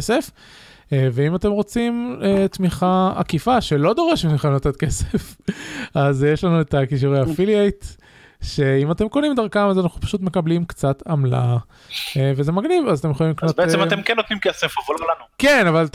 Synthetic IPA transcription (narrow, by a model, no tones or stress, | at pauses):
se̞f | veimat̪e̞mʁo̞t͡simet̪miχaa̰kifaʃe̞lo̞d̪o̞ʁeʃetiχemnot̪et̪kesef | azjeʃlanuetakiʃ̬uʁehafiliejt̪ | ʃe̞imat̪e̞mko̞nimd̪aʁkamazanaχnupḁʃut̪me̞kablimkt͡satamla̰ | veze̞maɡnivazat̪ejχolimliknotbeesemaemkenːot̪nimkesefavollanukenaval